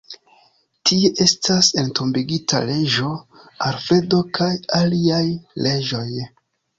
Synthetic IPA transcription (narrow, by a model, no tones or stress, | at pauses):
tie̞ʔe̞stase̞nto̞mbiɡita̰le̞d͡ʒoa̰ɾfe̞do̞kʰajaliajle̞d͡ʒo̞j